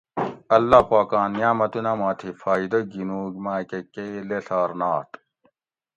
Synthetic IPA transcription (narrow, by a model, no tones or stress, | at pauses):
ɐlːaːpaːkaːnjaːmɐt̪unɐmaːt̪ʰifaːid̪ɐɡinuːɡmaːkekeleɬaːɾnaːt̪